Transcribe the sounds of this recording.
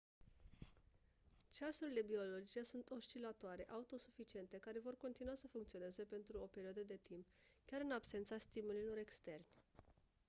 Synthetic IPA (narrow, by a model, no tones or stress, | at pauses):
t͡ʃasuɾile̞bio̞lo̞d͡ʒit͡ʃe̞sunt̪o̞ʃt͡ʃilat̪oaɾe̞ʔaut̪o̞sufit͡ʃie̞nt̪e̞kaɾe̞vo̞rko̞nt̪inuasəfuŋkt̪sio̞ne̞ze̞pe̞nt̪ɾuo̞pe̞ɾioad̪əd̪e̞t̪impkʲaɾɨnabse̞nt̪sast̪imulilo̞ɾe̞kst̪e̞rnʲ